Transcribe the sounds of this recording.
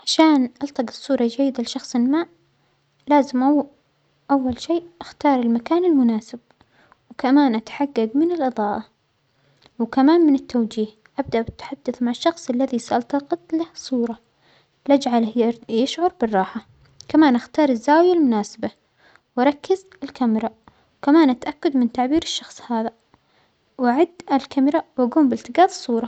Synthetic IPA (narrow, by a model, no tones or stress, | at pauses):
ʕaʃaːnʔɑlt̪ɑqɨ̥sˤːuːɾˤɑd͡ʒajːɪd̪alɪʃɑxsˤɪlmaːʔ | laːzɪmʔ | ʔawːalʃeːʔʔaxt̪ɑːɾˤɪlmakaːnɪlmʊnaːsɪb̥̚ | wkamaːnʔat̪ħaɡːaɡ̪mɪnɪlʔɨðˤɑːʔa | wkamaːnmɪnɪt̪ːawd͡ʒiːh | ʔab̚d̪aʔbɪt̪ːḁħad̪ːʊθmaʕɪʃːɑxsˤʔɪlːaðisaʔɑlt̪ɑqɪt̪ˤlahsˤuːɾˤɑ | lad͡ʒʕaljɪʃʕʊɾˤbɪrˤːɑːħa | kamaːnʔaxt̪ɑːɾˤɪzːaːwjalmʊnaːsaba | wɑɾˤɑkːɪz | ɪlkamɾˤɑ | wkamaːnʔat̪ʔakːad̪mɪnt̪aʕbiːɾɪʃːɑxsˤhaːða | wɪʕɪd̪ːɪlkamɾɑwʔaɡuːmbɪlt̪ɪɡaːðsˤːuːɾˤɑ